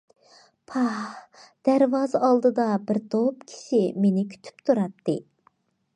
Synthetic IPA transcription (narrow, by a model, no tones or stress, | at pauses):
pʰɑhd̪̥æɾvɑzɑlˠd̪ɨd̪ɑbɪɾt̪ʰopkʲʰi̥ʃimenɪkʲʰy̥t̪ʰy̥pt̪ʰuɾɑp̚t̪ʰɨ